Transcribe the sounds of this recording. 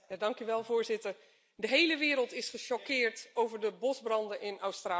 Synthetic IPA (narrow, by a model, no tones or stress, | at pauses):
adɑŋkyʋɛlˠvʊːɹzɪtəɹ | dəɦejləʋɪːɾəlˠtɪsχəʃɔkɪːɹtowvəɹdəbɔzbrɑndənʔɪnawstraː